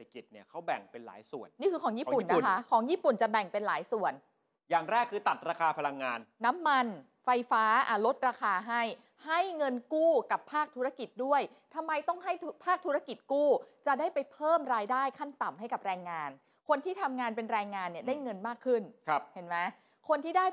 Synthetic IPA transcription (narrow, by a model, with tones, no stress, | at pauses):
a˧ki˨˩t̪̚ni˥˩ɐkʰa˦˥wbɛ˨˩ŋpe˧nla̰ː˩˦jsu˨˩ənni˥˩kʰɯː˧kʰɔː˨˩˦ŋjiː˥˩˦pu˨˦˩nːa˦˨˥kʰa˦˥kʰɔː˩˦ŋjiː˥˩pu˨˩nt͡ɕa˨˩bɛ˨˩ŋpe˧nlaː˩˦jsu˨˩ən | jaː˨˩ŋɾɛː˥˩kʰːɯː˧t̪a˨˩t̪̚ɾaː˧kʰaː˧pʰa˧la˧ŋːaː˧nːa˦˥mːa˧n | fa˧jfaː˦˥ʔa˨˩lo˦˥t̪̚ɾaː˧kʰaː˧ɦa˥˩j | ha˥˩jŋɤ˧nkuː˥˩ka˨˩pʰːaː˥˩k̚t̪ʰu˦ɾa˧ki˨˩t̪̚du˥˩əj | t̪ʰa˧mːa˧jt̪ɔ˥˩ŋɦa˥˩j̪ʰpʰaː˥˩k̚t̪ʰu˦˥ɾa˧ki˨˩t̪̚kuː˥˩t͡ɕa˨˩daː˥˩jpa˧jpʰɤː˥˩mɾaː˧jdaː˥˩jkʰa˥˩nt̪a˨˩mɦa˥˩jka˨˩p̚ɾɛː˧ŋːaː˧n | kʰo˧nt̪ʰiː˥˩t̪ʰa˧mŋaː˧npe˧nɾɛː˧ŋːaː˧nːi˧˩daː˥˩jŋɤ˧nmaː˥˩kʰːɯ˥˩nkʰp̚he˩˦nma˦˥ | kʰo˧nt̪ʰiː˥˩daː˥˩j